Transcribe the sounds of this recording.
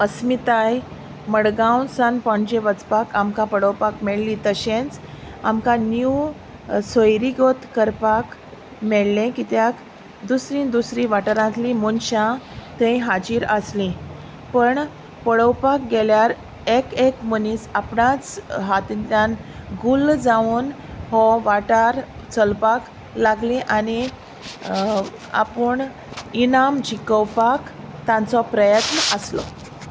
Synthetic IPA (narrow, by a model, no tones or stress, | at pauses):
əsmit̪aj | məɽɡawnsanpɔ̃ɳd͡ʑẽʋət͡spakamkapəɽəwpakmeɭlit̪əɕẽnt͡s | a̰mkãnju | sojɾiɡot̪kəɾpak | meɭlẽkit̪jak | d̪usɾĩnd̪usɾĩʋaʈəɾãt̪limunɕãt̪ẽĩɦad͡ʑiːɾəslĩ | pəɳ | pəɽəwpak̚ɡeljaɾ | ekekməniːsapɳat͡sɦat̪t̪jãnɡuld͡zaun | ɦɔʋaʈaɾ | t͡səlpak | laɡlĩʔani | a̰pəɳ | inamd͡ʑikəwpakt̪ãnt͡sɔpɾəjət̪nəʔəslɔ̰